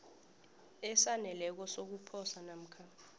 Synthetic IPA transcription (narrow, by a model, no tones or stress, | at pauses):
ɛsanɛlɛk̬ɔsok̬upʰɔsanam̩kʰa